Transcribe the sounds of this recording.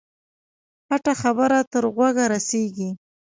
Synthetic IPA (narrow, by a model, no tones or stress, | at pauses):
paʈaxabəɾat̪əɾɣwaɡaɾaseɡi